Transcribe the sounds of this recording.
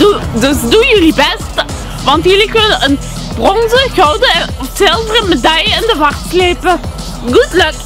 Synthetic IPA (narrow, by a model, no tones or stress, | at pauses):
dudøsdujəlibɛst | ʋɑntjəlikənəʔən | b̥rɔnzəɣɔwdəɔfsɪlˠvərəmedɑjəɪndəʋɑχt̚kleːpə | ɡutløk